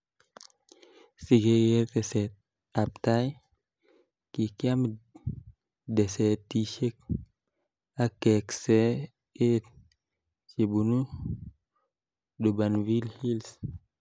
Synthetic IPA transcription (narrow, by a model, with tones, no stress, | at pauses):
si˨ɡe˨je˦te˨sɛ˨t̚ | a˨p̚ta˦j | ki˨kja˦m | de˨sɛ˨tːi˨ʃe˦k̚ | a˦ke˨ksɛ˦ | e˦ | se˨bu˨nu˦ | du˨ba˨nvi˦lhi˦ls